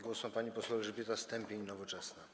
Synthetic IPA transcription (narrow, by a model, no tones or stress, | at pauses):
ɡwɔsɔ̃paɲipɔswɛwʐbʲjɛt̪ast̪ɛmʲpʲjeɲnɔvɔt͡ʂɛsna